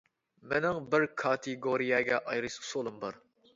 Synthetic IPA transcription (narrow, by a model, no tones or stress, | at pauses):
menɪŋbɪɾkʰɑt̪ʰɪɡoɾijɛɡʲɛʔɑjɾɨsu̥solˠɨmbɑɾ